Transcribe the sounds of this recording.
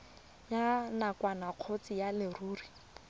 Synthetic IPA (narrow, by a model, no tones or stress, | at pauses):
janakwanaq͡χʰot͡sijalɪruːri